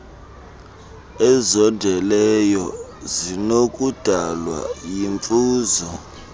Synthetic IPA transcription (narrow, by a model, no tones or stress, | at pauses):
ɛzɔndʱɛlɛjɔzinokʼud̥ʱalwa̰jiɱfuːzɔ